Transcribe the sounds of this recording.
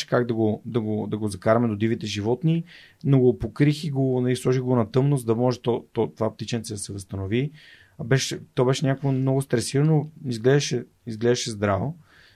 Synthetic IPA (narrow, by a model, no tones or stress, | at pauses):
ɛ̥kaɡd̪ɐɡod̪ɐɡod̪ɐɡozɐkaɾɐmɛd̪od̪ivit̪ɛʒivɔt̪ni | noɡopokɾixiɡonɐlislˠɔʒiɣɡonɐt̪ɤmnozəd̪ɐmɔʒɛt̪ɔt̪ɔt̪ovap̚t̪it͡ʃɛnʲt̪sɛd̪ɐsɛvəst̪ɐnovi | bɛʃɛt̪ɔbɛʃɛnʲakoɡomnɔɡʊst̪ɾɛsiɾɐnoizɡlɛd̪ɐʃɛ | izɡlɛd̪ɐʃɛzd̪ɾavo